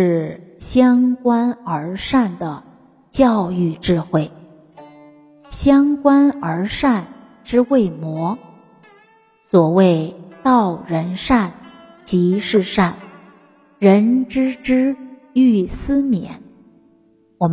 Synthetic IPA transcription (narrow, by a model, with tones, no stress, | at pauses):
ʂɻ̩˥˩ɕjɑ˥ŋkwa˥nə˞˧˥ʂa˥˩nd̪ə˩ | t͡ɕjɑ˥˧ʊy˥˧ʈ͡ʂɻ̩˥˧xwe˥˩ɪ | ɕjɑ˥ŋkwa˥nə˞˧˥ʂa˥˩n | ʈ͡ʂɻ̩˥we˥˩ɪmwɔ˧˥ | swɔ˨˩we˥˧ɪt̪ɑ˥˩ʊɻə˧˥nʂa˥˩n | t͡ɕi˧˥ʂɻ̩˥˧ʂa˥˩n | ɻə˧˥nʈ͡ʂɻ̩˥ʈ͡ʂɻ̩˥ | y˥˩sɹ̩˥mjɛ̰˨˧˥n | wɔ˨˩m